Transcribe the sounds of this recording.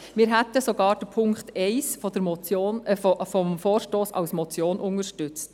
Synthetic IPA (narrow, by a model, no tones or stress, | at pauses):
mɪːɾɦɛtəsoɡɑːɾd̥əpʰʊŋkχtɛɪsfɔdəmɔonffɔmfoːɾʃtoːsɑ̰wsmɔt͡sjoːnʔʊŋəɾʃtʏt͡st